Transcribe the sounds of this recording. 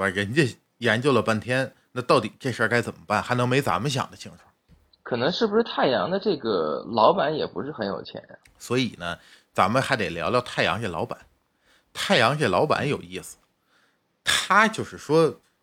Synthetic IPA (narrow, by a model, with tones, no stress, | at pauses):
a˨˩ɻə˧˥nt͡ɕɛ˥˩ | jɛ˧˥nt͡ɕjo˥˩ʊlə˩pa˥nt̪ʰjɛ˥n | na˥˧t̪ɑ˥˩ʊt̪i˨˩ʈ͡ʂe˥˧ʂə˥˧˩ka˥ɪt͡sə˨˩mə˦pa˥˩nxa˧˥ɪnɤ˧˥ŋme˧˥ɪt͡sa̰˧˥mə˧ɕ̬jɑ̰˨˩ŋd̪ə˦ɕʰi˥˧ŋʈ͡ʂʰu˥˩ | kʰɤ˨˩nɤ˧˥ŋʂɻ̩˥˩bu˩ʂɻ̩˥˧t̪ʰa˥˩ɪjɑ̰˧˥ŋd̪ə˧ʈ͡ʂɤ˥˩ɡə̰˩lɑ˧˥ʊpa˧˥njɛ˨˩pṵ˧˥ʂɻ̩˥˩xə˧˥njo̰˨˩ʊt͡ɕʰjɛ̰˧˥nɐ̰˧ | swɔ˧˥i˨˩nə˦ | t͡sa˧˥mə˧xa˧˥ɪt̪e˨˩ɪljɑ̰˧˥ʊt̪jʊt̪ʰa˥˩ɪjɑ̰˧˥ŋɕɛ˥˩lɑ˧˥ʊpa̰˨˩˦n | t̪ʰa˥˩ɪjɑ˧˥ŋɕɛ˥˩lɑ˧˥ʊpa̰˨˧˥njo˨˩ʊi˥˩sɹ̩̥˨˩ | t̪ʰa˥t͡ɕjo˥˧ʊʂɻ̩˥˩ʂwɔ˥